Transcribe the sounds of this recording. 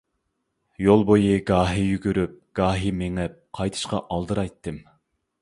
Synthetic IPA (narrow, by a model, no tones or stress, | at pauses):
jolˠbojɨɡɑːɦijyɡʲyɾyp̚ɡ̥ɑːɦimeŋɛp̚qʰɑjt̪ʰɨ̥ʃqɑ̰ʔɑlˠd̪ɨɾɑjt̪ːɨm